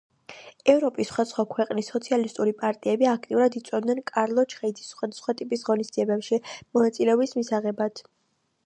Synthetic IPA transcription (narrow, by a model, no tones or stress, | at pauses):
ɛvɾɔpʼisːχwad̪asχwakʰwɛqʼnisːɔt̪sʰialist̪ʼuɾipʼaɾt̪ʼiɛbiak̚ʰt̪ʼiuɾad̪it̪sʼɛd̪nɛnkʼaɾlˠɔt͡ʃʰχɛid̪zisχwad̪asχwat̪ʼipʼisʁɔnisd̪ziɛbɛpʃimɔnat̪sʼilɛɔbismisaʁɛbad̪̥ʰ